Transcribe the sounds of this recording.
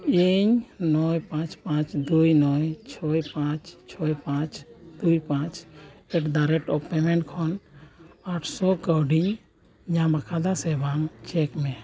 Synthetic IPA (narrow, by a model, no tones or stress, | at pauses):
iɲnɔjpãt͡ʃpãt͡ʃd̪ujnɔjt͡ʃʰɔjpãt͡ʃt͡ʃʰɔjpãt͡ʃd̪̥ujpãt͡ʃɛʈd̪aɾɛʈɔpɛmɛɳʈkʰɔn | aʈʰsɔkəwɖiɲ | ɲãmakʰad̪asɛbamt͡ʃɛkmɛ